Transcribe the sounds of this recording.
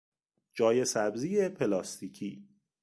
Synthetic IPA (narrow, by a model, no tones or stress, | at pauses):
d͡ʒɒːje̞sæbziːepʰelɒːst̪iːcʰiː